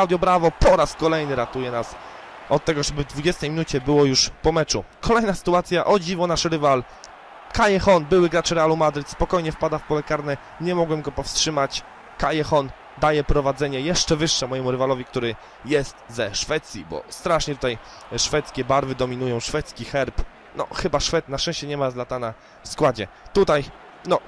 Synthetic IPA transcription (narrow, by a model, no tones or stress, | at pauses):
awd̪jɔbɾavɔpɔɾaskɔlɛjnɘɾat̪ujɛnas | ɔt̪̚ːɛɡɔʐɛbɘvd̪vud͡ʑɛst̪ɛjmʲinut͡ɕɛbɘwɔjuʂpɔmɛt͡ʂukɔlɛjnasɘ̥t̪uat̪sʲjaʔɔd͡ʑivɔnaʂɾɘval | kajɛxɔnbɘwɘɡɾat͡ʂɾɛalumad̪ɾɘt̪spɔkɔjɲɛfpad̪afpɔlɛkaɾnɛ | ɲɛmɔɡwɛmɡɔpɔfstʂɘmat͡ɕ | kajɛxɔn | d̪ajɛpɾɔvad̪zɛɲɛjɛʂt͡ʂɛvɘʂːɛmɔjɛmuɾɘvalɔvʲik̚t̪uɾɘ | jɛst̪zɛʂfɛt̪sʲjḭbɔ̰st̪ɾaʂɲɛt̪ut̪aj | ʂfɛt̪skʲɛbaɾvɘd̪ɔmʲinujɔ̃w̃ʂfɛt̪skʲixɛɾp | nɔ̰xɘbaʂfɛt̪natɛ̃ɕt͡ɕɛɲɛmazlat̪ana | fskwad͡ʑɛt̪ut̪aj | nɔ